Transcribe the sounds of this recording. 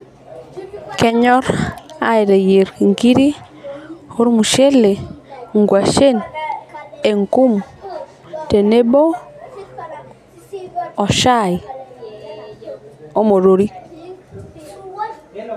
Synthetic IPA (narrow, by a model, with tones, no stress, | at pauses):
kɛ˦ɲɔ˦ɾa˦ɪ˨ɾe˨je˨ɾki˨ŋki˦ɾi˦ | ho˦ɾmu˨ʃe˦le˨ŋɡwa˨ʃe˦n | e˨ŋku˦m | te˨ne˦bo˦ | ɔ˨ʃa˦˨j | o˦mo˨ɾo˨ɾi˦